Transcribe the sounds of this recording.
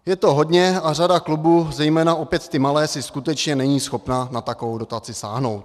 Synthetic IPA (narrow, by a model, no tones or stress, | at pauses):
jɛt̪o̞ɦo̞dɲɛaradaklubuːzɛjmɛːnaʔo̞pjɛt̪t̪ɪmalɛːsɪskut̪ɛt͡ʃɲɛnɛɲiːsxo̞pnanat̪ako̞vowdo̞t̪at͡sɪsaːɦno̞wt̪̚